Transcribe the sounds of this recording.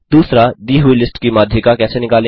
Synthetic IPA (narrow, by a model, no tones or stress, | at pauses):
d̪̥uːsɾad̪iːɦʊilɪsʈkimaːd̪ʱjɪkakɛːsenɪkaːlẽ